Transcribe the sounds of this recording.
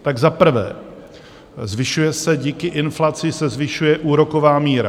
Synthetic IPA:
t̪aɡzapr̩vɛ̰ː | zvɪʃujɛsɛɟiːkɪʔɪnflat͡sɪsɛzvɪʃujɛʔuːɾo̞ko̞vaːmiːɾa̰

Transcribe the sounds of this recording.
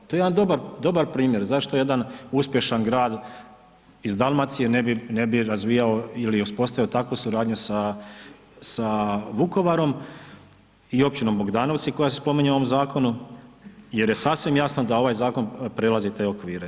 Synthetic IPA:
t̪ojed̪and̪obaɾd̪o̞baɾpɾiːmje̞ɾzaʃt̪o̞je̞d̪anuspje̞ʃanɡɾaːd̪ | izd̪alˠmat̪sijenebinebiɾazʋiːjao̞iliuspo̞st̪aʋiot̪akʋusuɾaːd̪ɲusa | saʋuko̞ʋaɾo̞m | io̞p̚t͡ʃino̞mboɡd̪aːno̞ʋt̪siko̞jas̬espo̞miɲeo̞ʋo̞mzaːko̞nu | je̞ɾje̞sasʋimjasnod̪ao̞ʋaːjzaːko̞npɾelazit̪e̞ːokʋiːɾe

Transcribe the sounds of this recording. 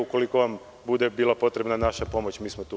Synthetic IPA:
uko̞liko̞ʋam | bud̪e̞biːlˠapo̞t̪ɾe̞bnanaʃapo̞mo̞t͡ɕmiːsmot̪u

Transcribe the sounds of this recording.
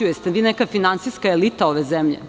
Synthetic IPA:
ujest̪eʋiːnɛkafinant̪siskaelit̪ao̞ʋezemʎḛ

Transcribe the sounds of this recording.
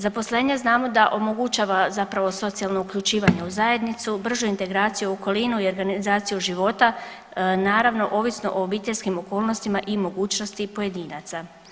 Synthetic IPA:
zapo̞sle̞ːɲeznaːmo̞d̪aʔo̞mo̞ɡut͡ʃaːʋazapɾaʋo̞so̞t̪sialˠno̞ukʎut͡ʃiːʋaɲeuzaje̞d̪nit̪subr̩ʒuint̪e̞ɡɾaːt̪sijuoko̞linuio̞ɾɡanizaːt̪sijuʒiʋo̞t̪a | naːɾaʋno̞ʔo̞ʋisno̞̰ʔoobiːt̪eʎʲskimo̞ko̞ːlˠno̞st̪imaʔimo̞ɡuːt͡ʃno̞st̪ipo̞je̞d̪iːnat̪sa

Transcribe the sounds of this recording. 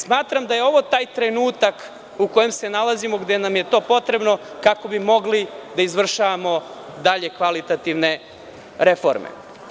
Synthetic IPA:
smaːt̪ɾamd̪aje̞o̞ʋo̞t̪aːjt̪ɾe̞nuːt̪ak | uko̞je̞mse̞nalˠazimo̞ɡd̪enamjet̪o̞ːpo̞t̪ɾe̞bno̞ | kako̞bimo̞ɡlid̪aizʋr̩ʃaʋamo̞d̪aʎe̞kʋalit̪at̪iʋne̞ | ɾe̞fo̰ɾmḛ

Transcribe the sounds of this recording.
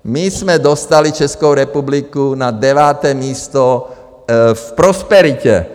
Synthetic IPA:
mizmɛd̪ɔst̪alit͡ʃɛskoʊɾɛpublikunad̪ɛʋaːt̪ɛmiːst̪ɔ | fpɾɔspɛɾicɛ̰

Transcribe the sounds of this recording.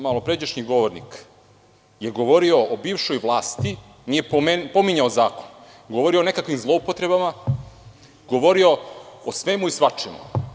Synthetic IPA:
malˠopɾed͡ʑeʃɲiɡo̞ʋoɾnḭk | je̞ɡo̞ʋo̞ɾio̞obiːʋʃo̞jʋlˠaːst̪i | nijepomenpo̞miɲaozaːkon | ɡo̞ʋoɾio̞onekakʋimzlˠo̞upot̪ɾe̞bama | ɡo̞ʋo̞ɾio̞osʋe̞muisʋat͡ʂemo̰

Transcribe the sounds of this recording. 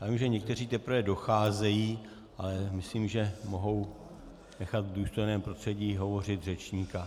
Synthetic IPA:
jaːvimʒɛɲɛk̚t̪ɛr̝iːt̪ɛpɾvɛdo̞xaːzɛjiː | ʔalɛmɪsliːmʒɛmo̞ɦo̞w | nɛxat̪ɡduːst̪o̞jnɛːmpɾost̪r̥ɛɟiːɦo̞vo̞rɪt̪r̝ɛt͡ʃɲiːka

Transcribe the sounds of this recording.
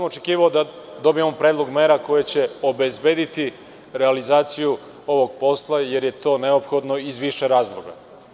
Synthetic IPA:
samo̞t͡ʃekiːʋaod̪ad̪o̞bijemopɾe̞ːd̪lˠo̞ɡmeːɾako̞jet͡ɕe̞o̞bezbeːd̪it̪i | ɾealizaːt̪siju | o̞ʋo̞ɡ̚po̞slˠaje̞ɾje̞t̪o̞ːneopxo̞d̪no̞izʋiʃeɾaːzlˠoɡa̰

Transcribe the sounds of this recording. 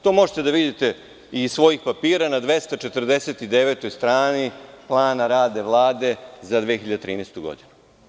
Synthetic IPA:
t̪o̞mo̞ʒet̪ed̪aʋid̪it̪e̞ | isʋo̞jixpapiːɾanad̪ʋe̞st̪at͡ʃe̞t̪rd̪eset̪id̪eʋeːt̪o̞jst̪ɾaːniplˠaːnaɾaːd̪e̞ʋlˠaːd̪e̞zad̪ʋeːxiʎad̪et̪ɾḭːnest̪uɡo̞̰d̪inu

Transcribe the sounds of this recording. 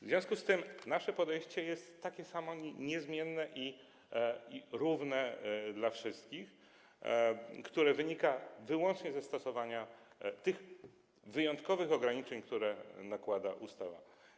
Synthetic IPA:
vzvʲjɔ̃skust̪ɘmnaʂɛpɔd̪ɛjɕt͡ɕɛjɛst̪ːakʲɛsamɔɲɲɛzmʲjɛnːɛʔi | iɾuvnɛd̪lafʂɘst̪̚kʲix | kt̪uɾɛvɘɲikavɘwɔnt͡ʂɲɛzɛst̪ɔsɔvaɲa | t̪ɘx | vɘjɔ̃nt̪kɔvɘxɔɡɾaɲit͡ʂɛɲkt̪uɾɛnakwad̪aʔust̪ava̰

